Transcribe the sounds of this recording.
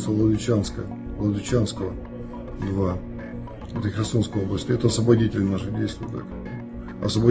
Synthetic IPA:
st̪əvlˠəd̪vʲɪt͡ɕanskə̰ | vlˠəd̪vʲɪt͡ɕanskəvə | d̪va | ɛt̪əxɾʲaso̞nskəjəoblˠəsʲt̪ʲɪɛt̪əɐsvəbɐdʲitʲɪlʲnaʐɨdʲejst̪vʊj̰ːt̪a̰k | ɐsvəbɐ

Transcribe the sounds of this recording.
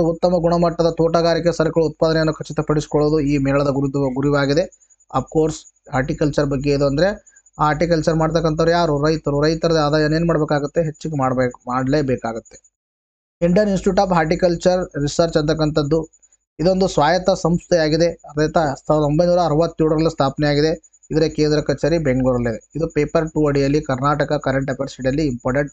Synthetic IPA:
uut̪ːɐmɐɡuɳɐmɐʈːɐd̪ɐt̪oːʈɐɡaːɾik̬ːesɐɾɐkɐɭuut̪̚paːd̪ɐnejɐnːukʰɐt͡ʃːit̪ɐpɐɽisi̥kɔɭoːd̪uiːmeːɭɐd̪ɐɡuɾud̪ʋɐɡuɾiʋaːɡid̪e̞ | ɐp̚ʰkoːɾsɦaːɾʈikɐlt͡ʃɐɾbɐɡːe̞id̪uɐnd̪ɐɾe̞ | aːɦaːɾʈikɐlt͡ʃɐɾmaːɖt̪̬ɐkːɐnt̪ɐʋɾujaːɾuɾɐjt̪ɐɾuɾɐjt̪ɐɾɐd̪aːd̪aːjɐneːnumaːɽbeːkaːɡut̪ːe̞ɦet͡ʃːiɡemaːɽbemaːɖleːbeːkaːɡut̪ːe̞̥ | iɳɖijɐninsʈjuːʈaːpɦaːɾʈ̬ikɐlt͡ʃɐɾːisɐɾt͡ʃɐnt̪̬ɐk̬ːɐnt̪ɐd̪ːu | id̪o̞nd̪usʋaːjɐt̪ɐsɐmst̪ʰɛjaːɡid̪e̞ɾɐjt̪ɐsaːɾɐd̪ombɐjnuːɾɐːɾɐʋɐt̪ːiɾuɽuɾɐlːist̪ʰaːpɐnɛjaːɡid̪e̞ | id̪ɐɾekeːnd̪ɾɐkɐt͡ʃeɾibeŋɡɭuːɾɐleid̪upeːpɐɾʈuɐɽijɐlːikɐɾnaːʈɐkɐkɐɾeɳʈɐpɐɾsiɽijɐlːiːmpoːɾʈeɳʈ̚

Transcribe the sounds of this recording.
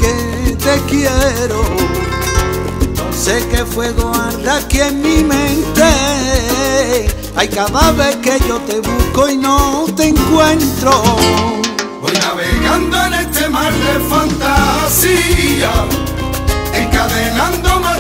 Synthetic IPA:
ke | t̪e̞kjeɾo | se̞ke̞fwe̞ɣoarakjemmĩmẽnt̪e | ajkaðaβe̞hke̞ʝo̞t̪e̞βuhkoinot̪eŋkwẽ̞nt̪ɾo | βojnaβeɣand̪oenest̪emaɾðefãnt̪asia | eŋkaðenãnd̪om

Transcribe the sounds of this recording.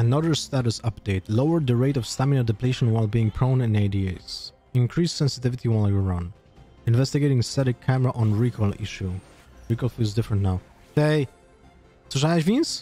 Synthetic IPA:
ənʌðə˞st̪æɾusʌp̚d̥eɪtlowə˞dd̪əɹeɪtɔfstæmɪ̃ədɛpleɪʃə̃nwaɪlˠbiɪ̃ŋpʰɹõʊ̃nɨ̃naɪdies | ɪ̃nkʰɹisːɛ̃nsɨtɪvɪt̪iwaɪljəɹʌ̃n | ɨ̃nvɛst̪ɪɡeɪɾɪ̃ŋsɛɾɨkʰːæməɹaʔɔ̃nɹikʰɔlˠḭʃu | ɹikɔlˠfilˠzdɪfɹə̃ntnaʊ | seɪ | soʃvĩns

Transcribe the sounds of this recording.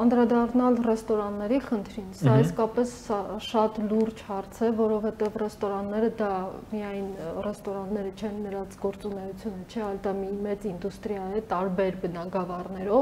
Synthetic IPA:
ɑnd̪ɾɑd̪ɑrnɑlrɛst̪ɔɾɑnːɛɾiχənt̪ʰɾinsɑiskɑpɛssɑʃɑt̪luɾd͡ʒhɑɾt͡sʰɛvɔɾɔvhɛt̪ɛvrɛst̪ɔɾɑnːɛɾəd̪ɑmijɑjnrɛst̪ɔɾɑnːɛɾət͡ʃʰɛnːəɾɑnt͡sʰɡɔɾt͡sunɛjut͡sʰjunət͡ʃʰɛɑjld̪ɑmimɛt͡sind̪ust̪ɾijɑjɛt̪ɑɾbɛɾbənɑɡɑvɑrnɛɾɔv

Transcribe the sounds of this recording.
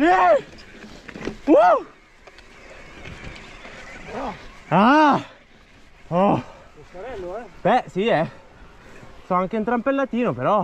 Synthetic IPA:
u | a | ɔ | bɛsiɛ | sɔaŋk̟eint̪ɾampelːat̪iːnopeɾɔ

